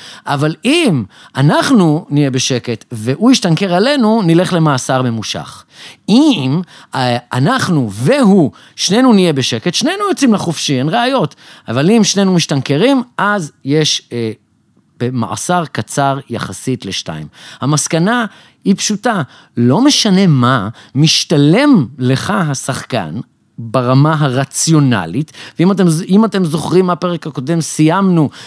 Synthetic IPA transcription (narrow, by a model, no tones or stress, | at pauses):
ʔavalim | anaχnunije̞be̞ʃe̞ke̞tve̞ʔuiʃtaŋke̞ʁale̞nunile̞χle̞masaʁme̞muʃa̰χim | anaχnuveɦu | ʃne̞nunijebeʃe̞ke̞tʃnenujot͡simlaχofʃienʁeajo̞tavalimʃnenumiʃtanke̞ʁimʔazje̞ʃ | b̥ema̰ʔa̰saʁkat͡saʁja̰χasitle̞ʃta̰imhamaskana | ipʃuta | lo̞me̞ʃane̞mamiʃtale̞mle̞χaɦasaχka̰n | baʁamaɦaʁat͡sjo̞na̰litvimatemimatemzo̞χʁimːape̞ʁekako̞de̞msijamnu